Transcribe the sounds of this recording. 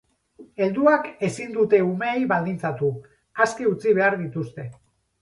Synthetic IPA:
e̞ld̪uake̞sind̪ut̪e̞umeːjβald̪int͡sat̪u | askiut͡siβ̞e̞aɾðit̪ust̪e̞

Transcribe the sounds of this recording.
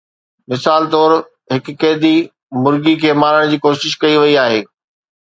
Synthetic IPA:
mɪsaːlt̪ɔːɾ | ɦɪkːeːd̪i | mʊɾɡikʰeːmaːɾəɽ̃d͡ʑiːkoːʃɪʃkɐiʋɐiaːɦeː

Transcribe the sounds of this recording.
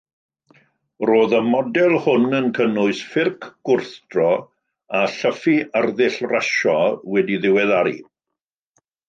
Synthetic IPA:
roːðəmɔdɛlˠhʊnənkʰənʊɨsfɪrkʰɡ̥ʊrθd̥rɔ | aɬəfiʔarðɪɬraʃɔwɛdiðɪwɛðaɾḭ

